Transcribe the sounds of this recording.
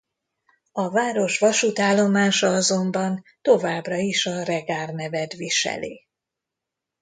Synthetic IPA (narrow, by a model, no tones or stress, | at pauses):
ɒvaːɾo̞ʃʋɒʃut̪aːlːo̞maːʃɒɒzo̞mbɒnt̪o̞vaːbrɒiʃɒrɛɡaːrnɛvɛd̪ʋiʃɛ̰lḛː